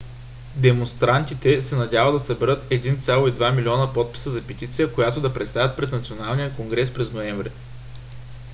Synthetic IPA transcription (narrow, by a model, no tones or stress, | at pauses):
d̪ɛmonst̪ɾant̪it̪ɛsɛnɐd̪ʲavəd̪ɐsɐbɛɾɤt̪ɛd̪int̪sʲjalˠoid̪vamilʲiɔnəpɔt̪̚pi̥səzɐpɛt̪it̪sijəkojat̪od̪ɐpɾɛt̪st̪avʲət̪̚pɾɛt̪nɐt̪sionalˠnijəkoŋɡɾɛspɾɛznoɛɱvɾɛ